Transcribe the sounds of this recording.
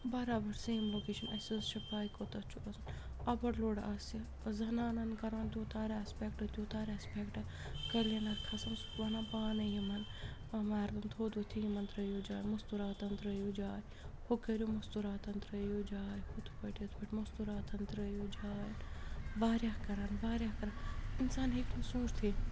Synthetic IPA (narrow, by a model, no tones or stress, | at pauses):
bɐɾaːbɐɾsɐjimloːkeːʃɐmɐsɐzʃipaːjikot̪ɐt͡ʃʰuɐzɐn | ɐbɐɾloːɽasi | zɐnaːnɐnkɐɾʋɐnt̪ʲuːt̪aːɾɐspʲekʈɐt̪ʲjuːt̪aːɾɐspʲekʈɐ | kɐɾlenɐkʰɐsɐmsu̥kʋɐnaːpaːnɐjimɐn | ɐmaːɾd̪ɐnt̪ʰoːd̪ot̪ʰijimɐnt̪ɾɐjoːd͡ʒaːjmɐst̪uɾaːt̪ɐnt̪ɾɐjod͡ʒaːj | hokɐɾʲomɐst̪uɾaːt̪ɐnt̪ɾɐjoːd͡ʒaːjhut̪ʰu̥pɐʈɐt̪ʰbɐʈʲmɐst̪uɾaːt̪ʰɐnt̪ɾɐjoːd͡ʒaːjnʋaːɾʲjaːkɐɾaːnʋaːɾʲjaːkɐɾaːinsaːnɦiknɐsũːʃt̪ʰiː